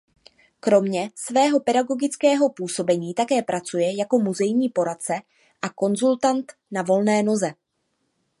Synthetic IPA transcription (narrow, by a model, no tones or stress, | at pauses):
kɾo̞mɲɛsvɛːɦo̞pɛdaɡo̞ɡɪt͡skɛːɦo̞puːso̞bɛɲiːt̪akɛːpɾʔat͡sujɛjako̞muzɛjɲiːpo̞ɾat̪̚t͡sɛ | ʔako̞nzult̪ant̪navo̞lnɛːno̞zɛ